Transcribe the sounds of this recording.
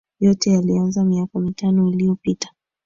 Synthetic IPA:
jɔtɛjalianzamiakɔmitanɔiliɔpitḁ

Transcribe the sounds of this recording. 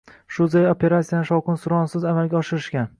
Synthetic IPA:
ʃʊzejopʰʲe̞ɾat̪sijanɪʃɒwqʰɨnsʊɾɒnsɪzamalɡʲaɒʃɪɾɪʃkʲan

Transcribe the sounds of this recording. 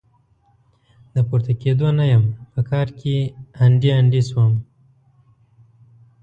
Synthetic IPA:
d̪əpuɾt̪aked̪onajəmpəkʰɑɾkʰeaɳɖiaɳɖiswəm

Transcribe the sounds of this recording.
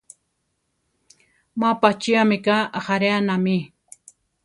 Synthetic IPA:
mapat͡ʃiamɪkaʔaχaɾeanami

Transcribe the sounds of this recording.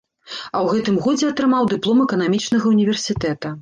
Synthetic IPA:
ɐwɣɛt̪ɨmɣɔd͡zʲɛɐt̪ɾɨmawd̪ɨplˠɔmɛkɐnamʲit͡ʂnɐɣɐunʲivʲɛrsʲit̪ɛt̪ɐ

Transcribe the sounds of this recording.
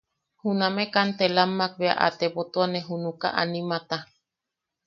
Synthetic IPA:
hunamekant̪elamːak̚βea̰ʔa̰t̪epot̪oaneɦunuka̰ʔa̰nimat̪a

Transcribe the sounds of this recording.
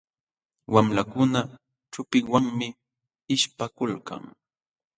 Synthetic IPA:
wamlakʊna | t͡ʃʊpɪŋwaŋmɪ | ɪʃpakʊlka̰ŋ

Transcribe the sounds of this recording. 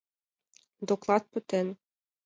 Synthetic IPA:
d̪oklˠɑt̪̚pɵ̆t̪en

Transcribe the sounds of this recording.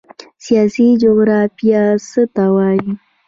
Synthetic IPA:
sijasid͡ʒoɡɾafijasət̪awaji

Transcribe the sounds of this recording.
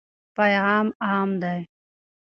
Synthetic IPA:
pajʁɑːmɑːmd̪aj

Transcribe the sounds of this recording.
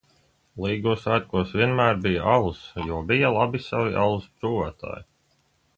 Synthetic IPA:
lˠiːɡusat̪̚kuɔsvʲiɛnmæːɾbijaʔalˠusjuɔbijalˠabisaviʔa̰lˠust̪ɾuːvaːt̪a̰ːji

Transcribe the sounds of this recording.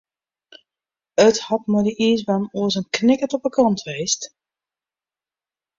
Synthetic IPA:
əthɑtmədəʔiəsʋanuəsənknɪkətɔpəkʰɑntʰʋeːst

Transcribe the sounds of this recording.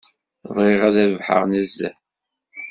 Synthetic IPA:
ðˤʁeʁæðævħə̰ʁnæzːæ̰

